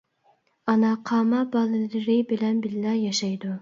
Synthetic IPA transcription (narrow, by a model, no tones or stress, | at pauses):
ɑnɑqʰɑːmɑbɑlˠɨlɨlɪɾɪbɪlɛnbɪllɛjɑʃɑjd̪u